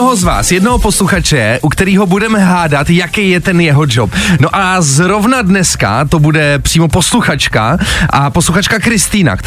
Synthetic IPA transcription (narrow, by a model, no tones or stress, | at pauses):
oɦozva̰ːsjɛdnoɦopo̞sluxat͡ʃɛɛʔukt̪ɛɾiːɦo̞budɛmɛɦaːdat̪jakejjɛt̪ɛnjɛɦod͡ʒopno̞ʔazɾo̞vnadnɛska̰t̪o̞budɛpr̥iːmo̞po̞sluxat͡ʃka̰ʔaposluxat͡ʃkakɾɪst̪iːna̰k